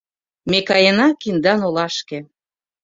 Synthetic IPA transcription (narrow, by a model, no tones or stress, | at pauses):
mekɑjenɑkind̪ɑnolɑʃkĕ